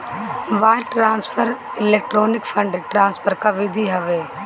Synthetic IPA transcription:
ʋaːɪlʈɾaːnspʰəɾɪleːk̚ʈɾoːnɪkfʰɐ̃ɳɖeʈɾãːnspʰəɾkɐʋeːd̪ʱiɦɐʋeː

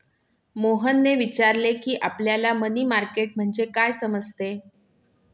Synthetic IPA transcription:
moɦənːeʋit͡ɕaɾlekiːʔapljalaməniːmaɾkeʈ̚m̤əɳd͡zekajsəməd͡zʱt̪e

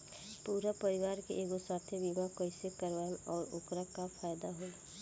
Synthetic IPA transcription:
puːɾapəɾɪʋaːɾkḛʔeːɡosaːt̪ʰjebimakəɪsekəɾʋanɔːɾʊkɾakafʰaːjd̪aɦoː

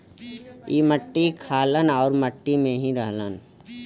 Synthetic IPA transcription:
iːməʈːikʰaːlənɔːɾməʈːimẽɦĩɾəɦlən

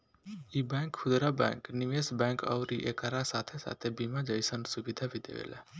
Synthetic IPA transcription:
ibɛ̃ːŋkkʰʊd̪ɾabɛ̰̃ːŋkniʋesbɛ̃ːŋkɔ̰ʊɾiʔekaɾasat̪ʰesa̰ːt̪ʰebimad͡ʒəɪsənsubid̪ʱabʱid̪ḛʋḛlɛ

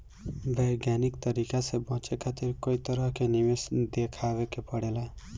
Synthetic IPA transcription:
bʱʌjɡjanikt̪ʌɾikasebʌ̃t͡ʃekʰat̪iɾkoit̪ʌɾʌkenibesd̪ekʰabekepʌɽela

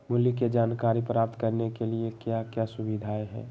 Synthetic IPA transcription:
mʊljiked͡ʒaːnkaːɾipɾaːp̚t̪kɐɾnekeliekjakjasʊbid̪ʱaːeɦɛ̰ː

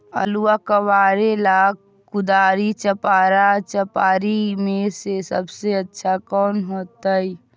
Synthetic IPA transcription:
ə̰luakəʋaɾelaɡ̚ | kud̪aɾit͡ʃəpaɾat͡ʃəpaɾimesesəbseətːʃʰakɔːnɦot̪əj

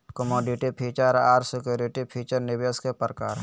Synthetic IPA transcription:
kəmoːɖɪʈipʰiːt͡ʃəɾaːɾsɪkjoːɾɪʈipʰiːt͡ʃəɾnɪʋjəskepɾəkaːɾ

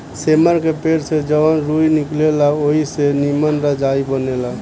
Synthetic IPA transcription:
seməɾkepeɾsed͡ʒəʋənɾujniklelaoɦisenimənɾad͡ʒaibənela

